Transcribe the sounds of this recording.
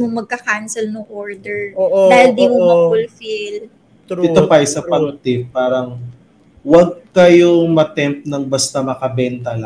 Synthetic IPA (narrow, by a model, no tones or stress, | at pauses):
moŋmɐɡ̚kɐkansɛlnʊŋʔoɹd̪ɛɹd̪aːhɪld̪iːmomɐfʊlfɪl | ɪt̪opɐjsɐpɐnʊt̪ɪpːaːɾɐŋ | wɐɡ̚kɐjomɐt̪ɛmp̚nɐŋbɐst̪ɐmɐkɐbɛnt̪ɐla